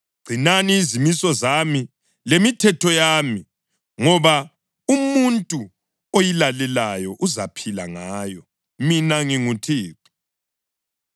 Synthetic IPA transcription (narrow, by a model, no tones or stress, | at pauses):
ɡ͡ǀ̥ʱinaniːzimisɔzami | lemitʰɛtʰɔjaːmi | ŋɔβa | umuntʼu | ojilalɛlajɔʔuzapʰila̰ŋaːjɔ | minaŋiŋutʰiːǀi̥